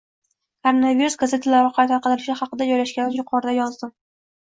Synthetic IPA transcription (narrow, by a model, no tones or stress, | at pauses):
kʰoɾonaviɾusɡaze̞t̪ʰalaɾɪqʰɑjt̪ʰaɾqɨd̪ɪlɪʃɪχɑqɨd̪ad͡ʒɒjlaʃɡʲanɪjʊqʰɒɾɪd̪ajɒzd̪ɪm